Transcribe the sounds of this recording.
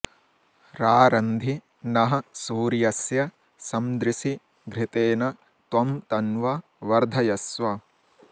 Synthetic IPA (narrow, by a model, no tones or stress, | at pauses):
ɾaːɾɐnd̪ʱi | nɐɦɐ̆suːɾijɐsjɐ | sɐmd̪ɾɪsi | ɡɾɪt̪eːnɐ | t̪ʋɐmt̪ɐnʋɐ | ʋɐɾd̪ʱɐjɐsʋɐ